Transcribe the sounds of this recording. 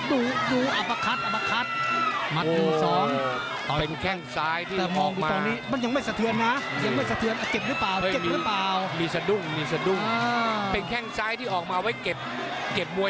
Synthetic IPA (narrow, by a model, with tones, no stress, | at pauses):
duː˧duː˧ʔa˧˩pa˧kʰa˦˥t̪̚ʔa˨˩pa˧kʰa˦˥t̪̚ma˦˥ʔoː˨˩˧sɔː˩˨˩ŋ | ɔ˨˩pe˧nkʰɛ˥˩ŋsaː˦˥jt̪ʰiː˥˩ɛ˨˩mɔː˨˩duː˨ma˩ɔː˧niː˦˥ma˧nja˧ŋma˥˩jsa˧t̪ʰɯ˧ənːa˦˥ja˧ŋma˥˩jsa˧t̪ʰɯ˧ənʔa˧˩ke˨˩p̚ɾɯ˦˥paː˨˩wɤ˥˨ke˨˩miɾːɯ˦˥paː˨˩wmiː˧sa˧du˥˩ŋmiː˧sa˧du˥˩aː˧pe˧nkʰɛ˥˩ŋsaː˦˥jt̪ʰiː˥˩ʔɔː˨˩k̚maː˧wa˦˥jke˨˩p̚ | ke˨˩p̚mu˧ə